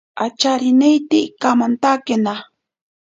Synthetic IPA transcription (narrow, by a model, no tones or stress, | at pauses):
at͡ʃaɾɪnejt̪ikamant̪akena